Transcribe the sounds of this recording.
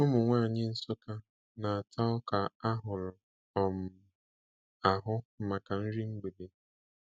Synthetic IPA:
ʊ˦mʊ˨ŋʷaː˦˨ɲɪ˦n̩˦so˦ka˦ | na˨a˨tʰa˦ʊ˦ka˨a˦ɦʊ˨lʊ˨ | ɔ˨m̩˨ | a˨ɦʊ˦m̩˨ma˨ka˨n̩˦ɾi˦ŋ͡m̩˦ɡ͡be˨be˦

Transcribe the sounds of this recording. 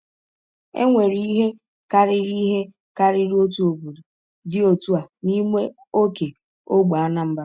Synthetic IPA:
ḛ˦ŋʷe˨ɾi˦ɦe˦ | ka˦ɾɪ˦ɾi˦ɦe˦ | ka˦ɾɪ˦ɾo˦tu˦o˨bo˨du˨ | dɪ˦o˨tu˦a˨ni˦me˦ | o˦ke˨ | o˦ɡ͡ba˦na˦m̩˦ba˨

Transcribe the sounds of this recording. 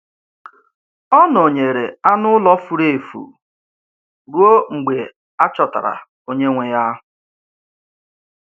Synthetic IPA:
ɔ˦no˨ɲe˨ɾe˨a˦nʊ˦lɔ˦fu˨ɾe˦˨fṵ˨ | ɡu˦o˦ŋ͡m̩˨ɡ͡be˨ | a˦t͡ʃɔ˨ta̰˨ɾa̰˨ | o˦ɲe˦ŋʷe˨ja˦˨

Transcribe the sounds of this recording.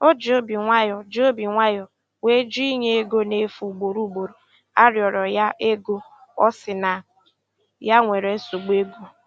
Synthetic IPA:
o˦d͡ʒo˦bi˨ŋʷa˦jɔ˨d͡ʒo˦bi˨ŋʷa˦jɔ˨ | we˦d͡ʒi˦ɲe˦e˦ɡo˦ne˨˦fu˨ɡ͡bo˨ɾu˦ɡ͡bo˨ɾo˨ | a̰˦ɾjɔ˨ɾɔ˨ja˦ʔe˦ɡo˦ɔ˦sɪ˨na˨ | ja˦ŋʷe˨ɾe˨˦so˨ɡ͡be˦ɡo˦

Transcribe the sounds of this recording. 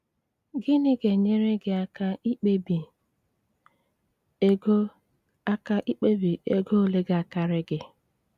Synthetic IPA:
ɡɪ˦nɪ˦ɡe˨ɲe˦ɾe˦ɡɪ˨a˦ka˦i˦k͡pe˦bi˨˦ | ɡo˦ | a˦ka˦ʔi˦k͡pe˦bi˨e˦ɡo˦o˨le˦ɡa˨ka˦ɾɪ˦ɡɪ˦

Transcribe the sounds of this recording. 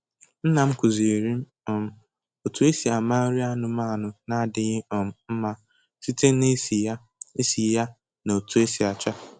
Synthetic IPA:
n̩˦na˨m̩˦kʊ˨zi˨e˨ɾi˦m̩˦ | ɔ˨m̩˨ | o˨tu˦e˦si˨a˨ma˦ɾi˦a˦nʊ˨ma˦˨nʊ˨na˦dɪ˨ɣɪ˦ɔ˨m̩˦m̩˦ma˦ | si˦te˦ne˦si˨ja˦ | e˦si˨ja˦ | no˨tu˦e˦si˨a˨t͡ʃa˦

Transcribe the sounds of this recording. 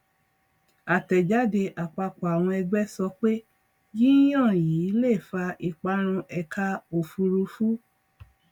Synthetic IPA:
a˨tɛ˨d͡ʒa˨˦de˧ʔa˨k͡pa˧kɔ˨a˨w̃ɔ̃˧ɛ˧ɡ͡bɛ˦sɔ˧k͡pe˦ | ji˦j̃ã˦˨jiː˨˦le˦˨fa˧ʔi˧k͡pa˧˦ɾ̃ũ˧ʔɛ˧kʰa˦˧o˨fu˧ɾu˧fu˦

